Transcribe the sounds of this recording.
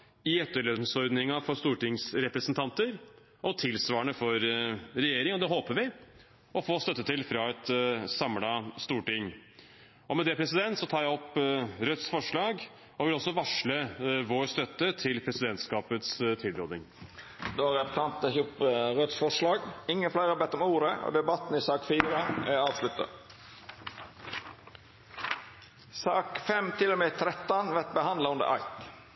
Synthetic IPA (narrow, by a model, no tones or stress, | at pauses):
ɪɛt̪ːəɭeːd̪ən̩sɔɾd̪nɪŋɑfɔɾst̪uːʈɪŋsɾɛpɾɛsnt̪ʰɑnt̪əɾ | ʔɔt̪ʰɪlsʋɑːəɳəfɔɾɾɛjeːɾɪŋɔd̪ɛɦoːpəɾʋɪ | ɔfoːst̪œt̪ːət̪ʰɪlfɾɑɛt̪sɑmlɑst̪uːʈɪŋ | ɔmɛd̪ɛpʰɾɛsɪd̪ɛnt̪sɔt̪ʰɑːɾjæɪɔpːɾœt̪sfɔʂɭɑːɡ | ɔʋɪlɔsːɔʋɑʂləʋoːɾst̪œt̪ːət̪ʰɪlpʰɾɛsɪd̪ɛnt̪skɑːpət̪st̪ʰɪlɾoːd̪ɪŋ | d̪oːɾɛpə̥t̪ʰɑnt̪ɛçʊpɾœt̪sfɔʂlɑːɡɪŋːənflæɪɑbɛt̪ːɔmuːɾəo̰d̪ɛbɑt̪n̩ɪsɑːkfiːɾəɑːʋslʉt̪ə̰ | sɑːkfɛmt̪ʰɪlɔmɛt̪ʰɾɛt̪ːɑnʋɛt̪̚bəhɑnd̪lɑʉnd̪ə̰ɾʔɑ̰ɪt̪